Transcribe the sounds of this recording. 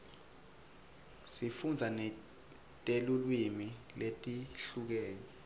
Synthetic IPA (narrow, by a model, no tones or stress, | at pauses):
sifund͡zʱanɛ | tʼelulwimi | letʼiɬuk̬ɛːni